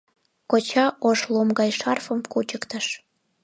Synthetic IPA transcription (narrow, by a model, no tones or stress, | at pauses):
kot͡ɕɑʔoʃlomɡɑjʃɑrfəmkut͡ɕəkt̪əʃ